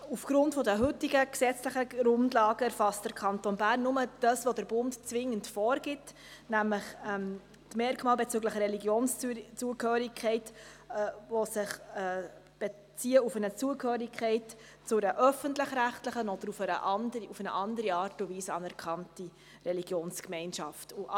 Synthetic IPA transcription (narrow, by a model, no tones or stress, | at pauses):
ufɡ̥ɾʊntfɔdəɦʏtiɡəksɛt͡sləχəɾʊndlɑːɡ̥əɛɾfɑstd̥əɾkʰɑntɔnbæːrnːʊməd̥ɑsʋodəɾb̥ʊntt͡sʋɪŋːəntfɔːɾɡɪt | næmləχɛm | tmɛɾkmɑːlbɛt͡sʉːɡləχəɾɛliɡjoːnst͡suəkhøːɾikʰɛɪtː | ʋosɪχɛ | b̥e | t͡siːəufənət͡suəkhøːɾikʰɛɪt | t͡sʊɾəʔœfəntləχɾæχtləχənɔd̥əɾufəɾə̰ʔɑndufənəʔɑndəɾiɑːɾtʊviːsəɑnæɾkʰɑnti | ɾɛliɡ̥joːnskmɛɪnʃɑftuʔ